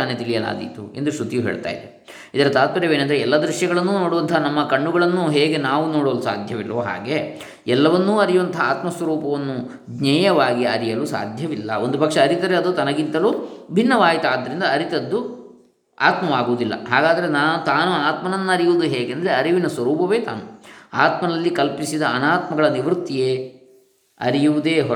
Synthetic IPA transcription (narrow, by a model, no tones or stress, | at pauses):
aːnːet̪ilijɐla̰ːd̪ḭt̪uend̪ɾuʃut̪ijuɦḛːɭt̪a̰ːjid̪e | id̪ɐɾɐt̪aːt̪̚kɐɾeʋeːnɐnd̪ɐɾeɛlːɐd̪ɾuʃjɐɡɐɭɐnːuːnoːɽuʋɐnt̪ʰɐɐnɐmːɐkɐɳːuɡɐɭɐnːuɦeːɡe̞naːʋuno̞ːɽoːlusa̰ːd̪ʱjɐʋilːoːɦa̰ːɡe̞ | ɛlːɐʋɐnːuːɐɾijuʋɐnt̪ʰɐaːt̪mɐsʋɐɾuːpɐʋɐnːu | ɡnɛːjɐʋaːɡiɐɾijɐlusa̰ːd̪ʱjɐʋilːɐ̰o̞nd̪upɐkʂɐːɾit̪ɐɾeɐd̪ut̪ɐnɐɡint̪ɐluːbʱinːɐʋaːɦit̪aːd̪ːɐɾind̪ɐːɾit̪ɐd̪ːu | aːt̪mɐʋaːɡuːd̪ilːɐ̰ɦaːɡaːd̪ɐɾe̞naːnut̪aːnuaːt̪mɐnɐnːuɐɾijuʋud̪uɦeːɡeɐnd̪ɐɾe̞ɐɾiʋinɐsʋɐɾuːpɐʋe̞ːt̪a̰ːnuaːt̪mɐnɐlːikɐlpisid̪ɐːnaːt̪mɐɡɐɭɐniʋɾut̪ːijeː | ɐ̰ɾijuʋud̪eːɦɔ